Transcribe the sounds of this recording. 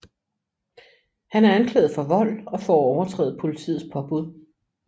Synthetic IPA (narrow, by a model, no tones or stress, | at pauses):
hænæɐænkʰlɛ̰ːð̩ˠfɒ̽ʋɒ̽l̰ɒ̽fɒɒʊɐt͡sʰʁɛ̰ːð̩ˠpʰo̝lit͡sʰḭːð̩ˠspʰɒ̽b̥uð̰ˠ